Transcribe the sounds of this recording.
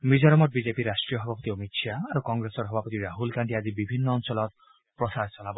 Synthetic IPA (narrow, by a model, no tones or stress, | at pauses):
mid͡ʒɔɾɔmɔɾ̚bid͡ʒepiɾasʈɾijɔɦɔbʱapɔt̪iɔmitʃʰaːɾukɔŋɡɾesɔɾɦɔbʱapɔt̪iɾaɦulkaɳʈiad͡ʒibibʱinːɔːŋsɔlɔt̪ | pɾɔsaɾt͡ʃɔlabɔ